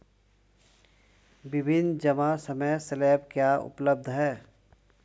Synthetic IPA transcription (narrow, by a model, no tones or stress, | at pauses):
bɪbʱɪnd͡ʒəmasəməjselɛːpkjaʊ̰pləb̚d̪ʱɦɛː